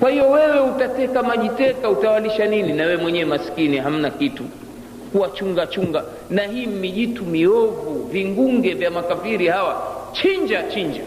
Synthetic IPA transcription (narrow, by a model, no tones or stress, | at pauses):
kwahiɔwɛwɛutatɛkamaʄitɛkautawaliʃanininawɛɛmwɛɲɛwɛmaskiniɦam̩nakitu | kuwat͡ʃuŋɡat͡ʃuŋɡa | nahiːm̩miʄitumiɔvuviŋɡuŋɡɛvjamakafiɾihawat͡ʃiɲd͡ʒat͡ʃiɲd͡ʒa